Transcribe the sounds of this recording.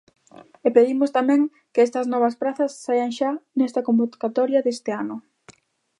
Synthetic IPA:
epeðimʊst̪amɛ̃ŋ | keɛst̪ɐznɔβ̞ɐspɾaθɐssajɐŋʃanɛst̪ɐkombokat̪ɔɾjɐðest̪ɪanʊ

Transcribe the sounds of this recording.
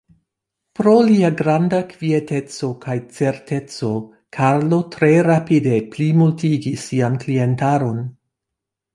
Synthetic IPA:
pɾo̞liaɡɾandakviete̞t͡so̞kʰajt͡se̞ɾte̞t͡so̞ | kʰaɾlo̞tɾe̞ɾapide̞plimultiɡisːianklie̞ntaɾo̞n

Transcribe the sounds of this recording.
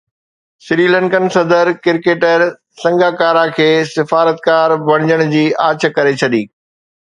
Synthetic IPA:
sɪɾiːlɛ̃ɳkənsɐd̪əɾkɪɾkeːʈəɾ | sɐ̃ŋɡaːkaːɾakʰeːsɪfaːɾət̪kaːɾbɐɽ̃d͡ʑəɽ̃ʊd͡ʑiːʔaːt͡ɕ̆ʰkɐɾet͡ɕʰɐɗiː

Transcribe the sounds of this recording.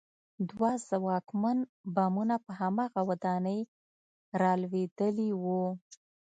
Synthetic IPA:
d̪wazawɑkmanbɑmunapəɦamɑɣawad̪ɑnəj | ɾɑlwed̪əliwu

